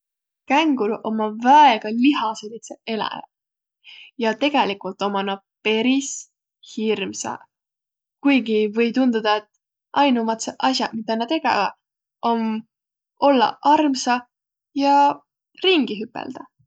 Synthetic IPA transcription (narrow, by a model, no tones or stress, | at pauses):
kæŋɡ̥ulo̞mɑvæeɡ̥ɑliɦɑselit̪see̞læ̰ | jɑt̪e̞ɡ̥elikult̪ːˑo̞mɑnɑ | pe̞ɾis | hirmsɑ̰ | kujɡivɤ̞jt̪und̪ud̪̥ɑet̪ː | ʔɑjnumɑt̪seʔɑsjɑmit̪ːˑɑnːɑt̪e̞ɡ̥ḛvɑ̰ | ʔo̞n | o̞lːɑ̰ɑrmsɑ | jɑ | riŋɡ̥iɦypːˑḛld̪̥ɑ